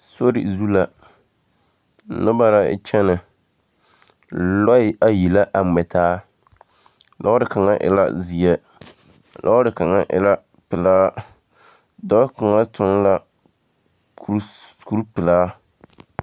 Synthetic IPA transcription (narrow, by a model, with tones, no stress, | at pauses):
so˦ɾɪ̰˨zu˦la˨ | nɨ˦ba˦ɾa̰˦t͡ʃɛ˦nɨ˨ | lɔ˦ɪ˦ʔa˦ji˨la˦ʔa˨mɛ˨tʰaː˦ | lʔa˦ʊ˦dɨ˨ka˨ŋa˦ʔɪ̰˨la̰˦zi˨ɛ˦ | lʔa˦dɨ˨ka˨ŋa̰˦ʔɪ̰˨la˦ | pɪ˨laː˦ | dɔ˦ka˨ŋa˦tʊ˨ŋla˦ | kku˦ɾpɪ˨laː˦